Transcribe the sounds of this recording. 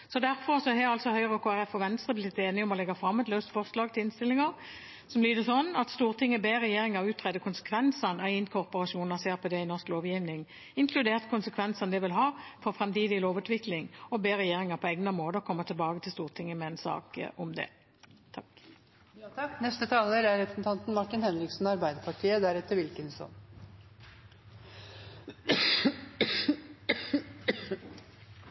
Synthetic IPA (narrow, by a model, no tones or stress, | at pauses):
sɔd̪æɾfɔʁsɔhɛːɑlsɔhœʏʁəɔkʰoːæʁɛfːɔʋɛnst̪ʁəblɪɪt̪ːeːnɪɔmɔlɛɡɑfɾɑmːɛt̪lœʉst̪fɔʁslɑːɡ̚t̪ʰɪlɪnst̪ɪlːɪŋɑʁ | sɔmlyːd̪əsɔnːɑt̪st̪uːʁt̪ʰɪŋːəbeːʁɛjeːɾɪŋɑʁʉːt̪ʁɛd̪əkʰʊnsə̥kʰʋɛnsɑnɛɪnkʰɔʁpɔʁɑʃuːnɑseːʁpʰɔd̪ɛɪnɔʁskloːʋjiːʋnɪŋ | ɪŋkʰlʉd̪eːʁt̪kʰʊnsəkʰʋɛnsɑnd̪ɛʋɪlɦɑːfɔʁfʁɛmt̪iːd̪ɪloːʋʉːt̪ʋɪklɪŋɔbeːʁɛjeːʁɪŋɑpʰɔɛːɡnəmoːd̪əɔkʰɔmːət̪ʰɪlbɑːɡət̪ʰɪlst̪uːʁt̪ʰɪŋːəmɛɛnsɑ̰ːkʔʊmd̪ɛ̰ | t̪ʰɑk̪ | knɛst̪ət̪ʰɑːləɾæɾɾɛpʰɾə̥sn̩t̪ɑnt̪n̩mɑʈːɪnhɛnɾɪksnɑɾbæɪd̪əɾpʰɑʈʰiːəd̪æɾɛt̪ːəɾʋɪlkənsɔ̰n